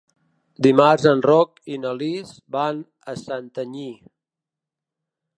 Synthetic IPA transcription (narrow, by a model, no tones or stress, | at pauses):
d̪imarzənrɔkinəlizban | əsant̪əɲi